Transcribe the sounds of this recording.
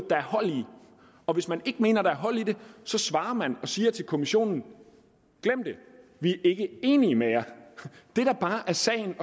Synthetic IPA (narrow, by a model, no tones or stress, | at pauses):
d̥ɑ̈æɐhɒ̽l̰i | ɒ̽ʋe̝smæne̝ɡ̥əme̝̰ːnɐɾ̥ɑ̈æɐɦɒ̽l̰id̥e̝sɒ̽sʋɑ̈ːɐmænɒ̽siːɐt͡sʰelkʰo̝miɕo̝̰ːnn̩ | ɡ̥lem̰d̥e̝ʋiæʔe̝ɡ̥əe̝ːnimejæd̥e̝ɾ̥æb̥ɑ̈ːʔæɐsɛ̰ːɪn̩ɒ̽